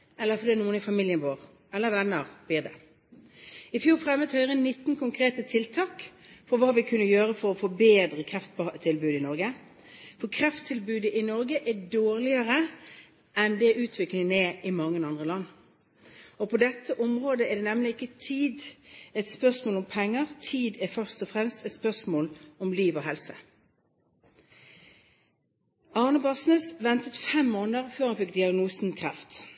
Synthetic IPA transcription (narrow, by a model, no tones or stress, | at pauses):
ɛlːəʁfɔɾd̪iːnuːənɪfɑmɪljənʋoːɾ | ɛlːəʋɛnːəʁb̥̪iːd̪ɛ | ɪfjuːɾfɾɛmət̪hœʏʁənɪt̪ːnkʊŋkʰɾeːt̪ət̪ʰɪlt̪ʰɑːkfɔʋɑːʋɪkʰʉnːəjøːɾəfɔɾɔfoːbeːd̪ɾəkʰɾɛft̪t̪ʰɪlbʉːd̪əɪnɔɾɡə | fɔkʰɾɛft̪ʰːɪlbʉːd̪əʔɪnɔɾɡəʔɛdoːɾlɪəɾə | ʔɛnd̪ɛæɾʉːt̪ʰʋɪklɪŋənɛɪmɑŋːənɑnd̪ʁəlɑnː | ɔpʰod̪ɛt̪ʰːəʔɔmʁoːd̪əɛd̪ɛːnɛmlɪɪkːət̪ʰiːd̪ɛt̪spœʁsmoːlɔmpʰɛŋːəʁt̪ʰiːd̪ɛfœʁst̪ɔfʁɛmst̪ɛt̪spœʁsmoːlɔmliːʋohɛlsə | ɑnəbɑsnəsʋɛnt̪ət̪fɛmːoːnəʁføːhɑnfɪk̚d̪ɪɑɡnuːsn̩kʰʁɛft̪